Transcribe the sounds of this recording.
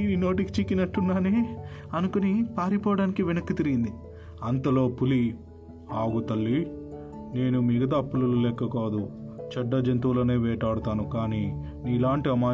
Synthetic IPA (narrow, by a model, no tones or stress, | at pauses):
inino̞ːʈiki̥t͡ʃikːinɐʈːunːaːneːɐnukunipaːɾipɔːʋɐɽaːnikiʋenɐkːɐt̪iɾiɡind̪i | ɐnt̪ɐlo̞ːpuli | aːɡut̪ɐlːi | ne̞ːnumiɡɐt̪̬ɐːpːulululɛːkːɐkaːd̪ut͡ʃɐɖːɐd͡ʒɐnt̪uːloːne̞ːʋɛːʈaːɽut̪aːnukaːniː | niːlaːɳʈiɐmaː